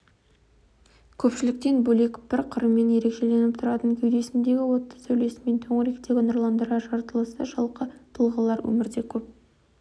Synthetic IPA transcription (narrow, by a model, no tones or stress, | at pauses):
kʲʰɵpʃɪlɪk̚t̪e̞nbɵle̞kʲb̥ɪɾqʰəɾəmːe̞nje̞ɾe̞kʃe̞le̞nɪp̚t̪ʰʊɾɑt̪əŋkʲʰʏjd̪e̞sɪmd̪e̞ɡʲɪwo̞t̪ːɑ̥sɵwle̞sɪme̞nt̪ʰoɴəɾekt̪e̞ɡʲənəɾlˠɑnd̪əɾɑʒɑɾt̪əlˠəsə̰ʒɑlˠqət̪ʰəlˠʁəlˠɑɾwɵ̰mɪɾd̪e̞kʲʰɵp̚